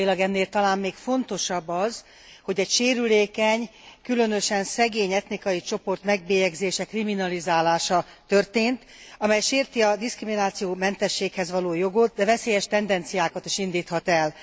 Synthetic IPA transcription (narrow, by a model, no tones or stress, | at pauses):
ilɒɡɛnːeːlt̪ɒlaːmːeːkfo̞nt̪o̞ʃɒbːɒz | ho̞ɟɛcʃeːɾyleːkɛɲkylø̞nø̞ʃɛnsɛɡeːɲɛt̪nikɒjit͡ʃo̞po̞rt̪mɛɡ̚beːjɛɡzeːʃɛkriminɒlizaːlaːʃɒt̪ørt̪eːnt̪ | ɒmɛjʃeːrt̪iɒd̪iskriminaːt̪sijoːmɛnt̪ɛʃːeːkhɛzʋɒloːjo̞ɡot̪̚d̪ɛvɛseːjɛʃt̪ɛnd̪ɛnt̪sijaːkɒt̪iʃind̪iːt̪hɒt̪ɛl